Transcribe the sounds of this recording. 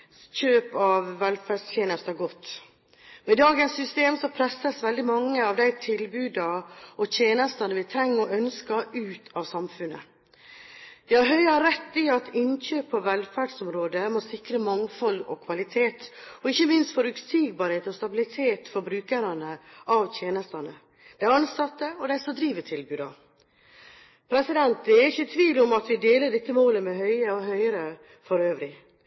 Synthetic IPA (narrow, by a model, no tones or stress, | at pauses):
ɕøːpɑʋːɛlfæɖst̪ʰjeːnəst̪æɡɔt̪ː | mɛd̪ɑːɡənsːʏst̪eːmsɔpʰɾɛsːəsʋɛld̪ɪmɑŋːəɑʋd̪æɪt̪ʰɪlbʉːd̪ɑɔt̪ʰeːnəst̪ɑnəʋɪt̪ʰɾɛŋːəɔœnskɑʉːt̪ʰɑʋsɑmfʉnə̰ | jɑɦœʏɑɾɛt̪ːɪɑt̪ɪnɕøːpʰːɔʋɛlfæːɖsɔmɾoːd̪əmɔsɪkɾəmɑŋfɔlɔ̰kʰʋɑlɪt̪ʰeːt̪ɔɪçːəmɪnst̪fɔɾʉt̪siːɡ̚bɑːɾheːt̪ɔst̪ɑbɪlɪt̪ʰeːt̪fɔɾbɾʉːkəɾɑnəʔɑʋt̪ʰjeːnəst̪ɑnə | d̪̥æɪɾɑnsɑt̪ːəɔd̪æɪsɔd̪ɾiːʋəʈʰɪlbʉːd̪ɑ̰ | pʰɾɛsɪd̪ɛnt̪̚d̪ɛɾɪçət̪ʰʋiːʋlɔmɑt̪ʋɪd̪eːləɖɪt̪ːəmoːləmɛhœʏəɔɦœʏəɾə | fɔɾøːʋɾɪ